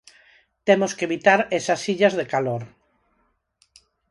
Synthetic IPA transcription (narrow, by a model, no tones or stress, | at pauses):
t̪emoskeβit̪aɾesɐsiʎɐzðekaloɾ